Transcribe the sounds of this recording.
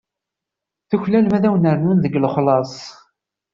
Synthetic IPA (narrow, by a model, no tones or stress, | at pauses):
θuçlælmæðæwnəɾnunðəɡləχlɑsˤ